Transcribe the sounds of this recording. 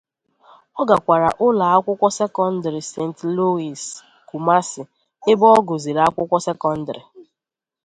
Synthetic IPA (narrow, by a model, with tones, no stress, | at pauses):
ɔ˦ɡa˨kʷa˨ɾa̰˨ʔʊ˦la˨a˦kʷʊ˦kʷɔ˦se˦kɔ˦n̩˦dɾɪ˨se˦˨n̩˨tlo˦i˨s | ku˨ma˦sɪ˨ | e˦bɔ˦ɡo˨zi˨ɾa˦kʷʊ˦kʷɔ˦sɛ˦kɔ˦n̩˦dɾi˨